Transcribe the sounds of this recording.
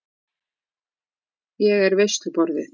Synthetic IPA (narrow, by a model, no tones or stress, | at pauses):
jɛɣɛɾvɛst̪ʏpɔɾðɪ